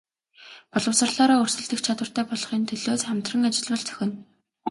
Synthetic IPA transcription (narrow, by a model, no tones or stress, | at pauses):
pɔɮɞ̆wsə̆rɮaːɾaːɵrsɵ̆ɮt̪ɘ̆kt͡ɕʰat̪wə̆r̥t̪ʰæːpɔɮɞ̆χiːnt̪ʰɵɮoːsχamt̪rə̆ŋat͡ɕɪ̆ɮwə̆ɮt͡sʰœ̥xʲɪ̆n